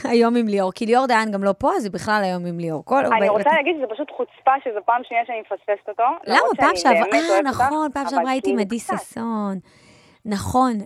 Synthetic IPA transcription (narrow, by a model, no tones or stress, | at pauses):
ajo̞mimlioʁkilioʁd̪eanɡamlo̞poazebiχlalajo̞mimlioʁkolnaiʁot͡salaaɡid̪ʃezepaʃut̪χut͡spaʃezepaːmʃniaʃɛanimefasfest̪ot̪ollamapaːʃeavʁanaχo̞npaːmʃeaʁaitimadisasonː | aχo̞n